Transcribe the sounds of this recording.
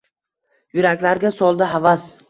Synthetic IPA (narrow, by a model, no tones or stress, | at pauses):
jʊɾakʲlaɾɡʲasɒlˠd̪ɪavas